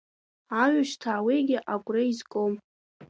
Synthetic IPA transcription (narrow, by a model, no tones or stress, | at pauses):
aɥaʃtʰaːwejɡʲɪʔakʷʼreizkʼom